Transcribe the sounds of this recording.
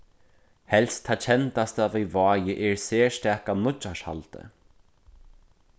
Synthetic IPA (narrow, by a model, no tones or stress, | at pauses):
hɛlst̪ʰːaːt͡ʃʰɛnt̪ast̪avivɔːjɪʔɛɹsɛːst̪ɛːkanʊt͡ʃːaʃha̰lt̪ə̰